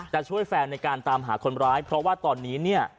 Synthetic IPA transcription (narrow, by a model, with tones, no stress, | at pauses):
t͡ɕa˨˩ʔt͡ɕʰu˥˩əjfɛː˧ŋna˧jkaː˧nt̪aː˧mɦa̰ː˩˦kʰo˧nɾaː˦˥jpʰɾɔ˦˥waː˥˩t̪ɔː˧nːiː˦˥ni˥˩ɐ